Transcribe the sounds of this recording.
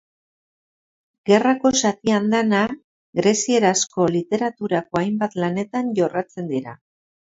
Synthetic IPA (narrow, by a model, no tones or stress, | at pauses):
ɡe̞rako̞sat̪iand̪ana | ɡɾe̞sie̞ɾasko̞lit̪e̞ɾat̪uɾako̞ajmbat̪lane̞t̪anʝo̞rat͡se̞nd̪iɾa̰